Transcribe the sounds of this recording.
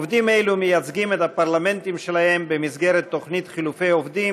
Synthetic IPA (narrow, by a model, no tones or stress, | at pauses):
vd̪imejlumejat͡sɡimet̪hapaʁlame̞nt̪imʃelahe̞mbemisɡe̞ʁet̪ːo̞χnit̪χilufe̞jovdim